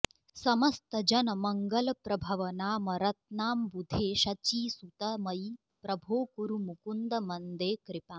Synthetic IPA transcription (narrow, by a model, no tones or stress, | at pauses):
sɐmɐst̪ɐd͡ʒɐnɐmɐŋɡɐlɐpɾɐbʱɐʋɐnaːmɐɾɐt̪̚naːmbud̪ʱeːʃɐt͡ʃiːsut̪ɐmɐj | pɾɐbʱoːkuɾumukund̪ɐmɐnd̪eːkɾɪpaː